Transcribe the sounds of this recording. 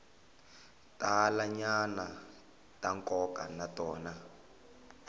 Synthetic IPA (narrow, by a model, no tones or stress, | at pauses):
tʼalaɲana | tʼaŋkɔkanatɔːna